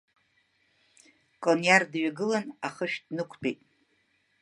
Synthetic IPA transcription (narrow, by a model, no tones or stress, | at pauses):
kʼonjardɥaɡɨlanaχəʃᶣdnɨkʷʰbʰejtʼ